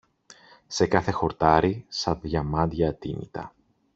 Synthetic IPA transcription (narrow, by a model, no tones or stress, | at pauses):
se̞kɐθe̞xo̞ɾt̪ɐɾisɐðʝɐmɐnd̪ʝɐːt̪inḭt̪ɐ̰